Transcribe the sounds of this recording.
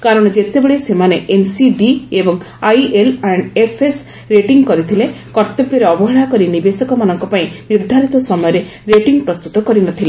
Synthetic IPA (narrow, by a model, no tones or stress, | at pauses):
kaɾɔɽ̃ɔd͡ʒet̪ebeɭesemaneensiɖiebɔŋ | ajelaɳɖepʰes | ɾeʈiŋɡkɔɾit̪ʰilekɔɾt̪ɔbjɔɾeɔbɔɦɔɽakɔɾinibesɔkɔmanɔŋkɔpaĩniɾd̪ʱaɾit̪ɔsɔmɔjɔɾe | ɾeʈiŋɡpɾɔst̪ut̪ɔkɔɾinɔt̪ʰile